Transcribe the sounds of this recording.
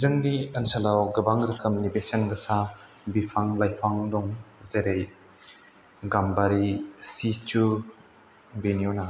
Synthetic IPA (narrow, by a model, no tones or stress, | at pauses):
zɯŋniənsalawɡɐbaŋɾɯkʰɯmnibesenɡɐsa | bipʰaŋlajpʰaŋdɔŋzeɾej | ɡambaɾisit͡ʃu | benjona